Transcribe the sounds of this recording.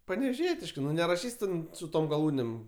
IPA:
pɐnʲɛʋʲeːˈʒʲiɛtʲɪʃkɜ ˈnʊ nʲɛrɐˈʃʲiːsʲ tʲɛn sʊ ˈtoːm ɡɐˈlˠuːnʲeːm

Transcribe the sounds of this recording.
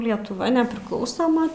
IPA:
lʲiɛtʊˈʋɐ nʲɛpʲrʲɪˈklˠɐʊsoːmɐ

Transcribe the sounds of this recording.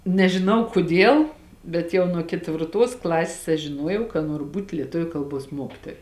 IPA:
nʲɛʒʲɪˈnɐʊ kʊˈdʲiɛlˠ bʲɛt ˈjɛʊ nuɔ kʲɛtʲʋʲɪrˈtuɔs ˈklˠɑːsʲeːs ɐʃ ʒʲɪˈnuɔjɛʊ kɐ ˈnuɔrʊ ˈbuːtʲ lʲiɛˈtʊʋʲʊ ˈkɐlˠˌbuɔs ˈmuɔkʲɪtoːjɛ

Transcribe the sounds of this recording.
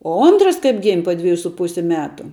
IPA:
oː ˈoːntrɐs kɐɪp ɡʲɪmʲ poː ˈdʲʋʲæːjuː sʊ ˈpʊsʲɪ ˈmʲæːtʊ

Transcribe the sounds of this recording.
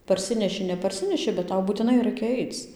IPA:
pɐrʲˈsʲɪnʲɛʃʲɪ nʲɛpɐrʲˈsʲɪnʲɛʃʲɪ bʲɛt ˈtɐʊ buːtʲɪˈnɐɪ ˈrɐɪkʲɛ ˈɐɪt͡s

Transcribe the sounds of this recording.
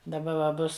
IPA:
dɐˈbɐ ʋɐ ˈbʊs

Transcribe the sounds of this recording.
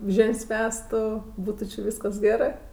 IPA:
ˈʒʲeːnʲsʲ ˈʋʲæːstʊ ˈbuːtʊ t͡ʃʲɪ ˈʋʲiːskɐs ˈɡʲæːrɜ

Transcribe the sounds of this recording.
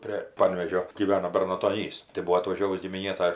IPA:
pʲrʲeː ˈpɐnʲʋʲeːʒʲoː ɡʲiːˈʋʲæːnoː bʲɛrnɐtoːˈnʲiːs tɐɪ ˈbuɔ ɐtʋɐˈʒʲoːʋʊs ɡʲɪmʲɪˈnʲeː ˈtɐ

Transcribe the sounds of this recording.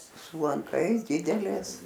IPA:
sʊ lˠɐŋˈkɐɪs ˈdʲɪdʲɛlʲeːs

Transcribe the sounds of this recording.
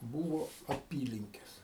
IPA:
ˈbuːʋoː ɐˈpʲiːlʲɪŋʲkʲɛs

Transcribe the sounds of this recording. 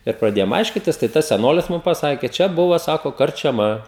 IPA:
ɪr prɐˈdʲeːjoːm ˈɐɪʃʲkʲɪtʲɪs tɐɪ ˈtɐs sʲɛˈnoːlʲɪs ˈmʊm pɐˈsɑːkʲeː ˈt͡ʃʲɛ ˈbʊʋɐ ˈsɑːkoː kɐrʲt͡ʃʲɛˈmɐ

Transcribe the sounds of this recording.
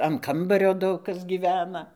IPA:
ɐn ˈkɐmbɐrʲoː ˈdɐʊk ˈkɐs ɡʲiːˈʋʲæːnɐ

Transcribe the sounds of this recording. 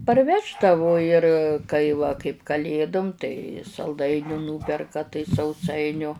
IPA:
pɐrʲˈʋʲæːʒdɐʋʊ ɪr ˈkɐɪ ʋɐ kɐɪp kɐˈlʲeːdʊm tɐɪ sɐlˠˈdɐɪnʲuː ˈnuːpʲɛrkɐ tɐɪ sɐʊˈsɐɪnʲʊ

